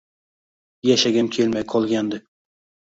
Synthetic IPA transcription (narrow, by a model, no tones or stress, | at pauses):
jæʃaɡʲamkʲʰelmajqʰɒlˠɡʲand̪ɪ